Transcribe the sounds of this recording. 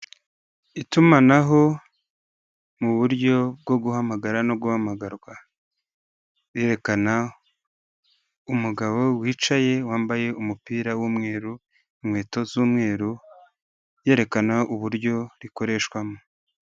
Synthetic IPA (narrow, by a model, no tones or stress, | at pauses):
itumanaɦo̞ | muβuɾɟo̞bɡo̞ɡuhamaɡaɾano̞ɡuhamaɡaɾɡwa | we̞ːɾe̞kana | umuɡaβo̞wiːt͡ʃaje̞waːmbaje̞umupiːɾawuːmŋe̞ːɾu | imŋe̞ːto̞zuːmŋe̞ːɾu | je̞ːɾe̞kanaʔuβuɾɟo̞ɾiko̞ɾe̞ːʃkwamo